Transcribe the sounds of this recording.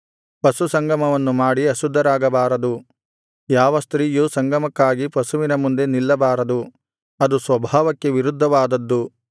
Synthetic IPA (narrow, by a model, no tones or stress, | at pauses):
pɐsusɐŋɡʱɐmɐʋɐnːumaːɽiɐsud̪ʱːɐɾaːɡɐbaːɾɐd̪u | jaːʋɐst̪ɾiːjusɐŋɡʱɐmɐkːaːɡipɐsuʋinɐmund̪e̞nilːɐbaːɾɐd̪u | ɐd̪usʋɐbʱaːʋɐkːe̞ʋiɾud̪ʱːɐʋaːd̪ɐd̪ːu